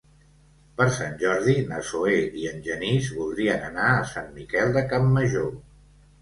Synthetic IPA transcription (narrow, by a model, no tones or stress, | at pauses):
pəɾsanʲʒɔɾðinəsoeiənʲʒənizβulˠd̪ɾiənənaəsanmikɛlˠd̪əkamːəʒo